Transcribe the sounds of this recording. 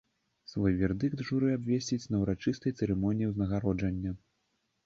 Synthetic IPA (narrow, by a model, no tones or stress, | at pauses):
svɔjvʲɛrd̪ɨk̚t̪ʐuɾɨabʲvʲesʲt͡sʲit͡sʲnɐwɾat͡ʂɨst̪ɐjt̪sɛɾɛmɔnʲijiwznɐɣaɾɔd͡ʐɐnʲːɐ